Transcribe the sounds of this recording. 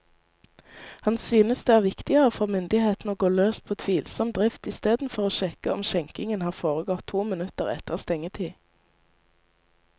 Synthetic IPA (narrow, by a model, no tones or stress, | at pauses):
hɑnsyːnəsd̪eːæːʁʋɪkt̪ɪəʁəfɔʁmʏnd̪ɪheːt̪n̩oːɡoːløːspʰoːt̪ʰʋiːlsɔmd̪ʁɪft̪ɪst̪eːd̪n̩fɔʁoːʃɛkəɔmʃɛŋkɪŋənhɑːʁfoːʁəɡɔt̪ʰːuːmɪnʉt̪əʁɛ̰t̪ʰəʁst̪ɛŋət̪ʰiː